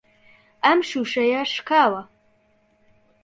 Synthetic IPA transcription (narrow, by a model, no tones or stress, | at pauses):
amʂuʂɐjɐʂkʰaːwɐ